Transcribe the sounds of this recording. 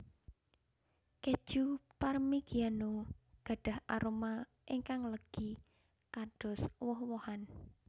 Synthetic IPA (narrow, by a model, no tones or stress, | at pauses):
ke̥ʒ̥uparmiɡ̥ianoɡ̥ä̤ɖ̥a̤hʔa̰ɾoma | ʔiŋkaŋləɡ̥i | kaɖ̥ɔ̤swɔhwɔhan